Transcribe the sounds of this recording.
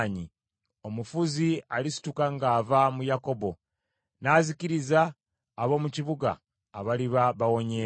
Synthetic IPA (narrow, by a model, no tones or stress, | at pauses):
ɲi | o̞mufuzialisi̥tukaŋɡaːvamujako̞bo̞ | naːziciɾizaː | βo̞ːmuciβuɡa̰ː | βaliβaβawo̞ɲe